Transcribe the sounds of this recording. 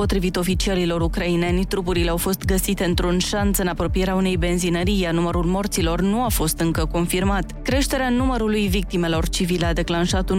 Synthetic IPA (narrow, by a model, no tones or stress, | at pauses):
po̞t̪ɾivit̪o̞fit͡ʃiaɾilo̞ɾukɾaine̞nʲt̪ɾup̬uɾileawfo̞st̪ɡəsit̪e̞ɨnt̪ɾunʃansɨnapɾo̞pije̞ɾeaune̞jbe̞nzinəɾijanuməɾulmo̞rt̪silo̞rnuafo̞st̪ɨŋkəko̞nfirmat̪kɾe̞ʃt̪e̞ɾeanuməɾulujvik̚t̪ime̞lo̞rt͡ʃivilad̪e̞klanʃat̪u